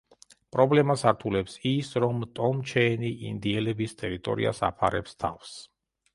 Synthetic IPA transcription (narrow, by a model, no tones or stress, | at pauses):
pʼɾɔblɛmasaɾt̪ʰulɛpsisɾɔmt̪ʼɔmt͡ʃʰɛniʔḭnd̪iɛlɛbist̪ʼɛɾit̪ʼɔ̰ɾḭa̰sa̰pʰa̰ɾɛ̰pst̪ʰa̰fs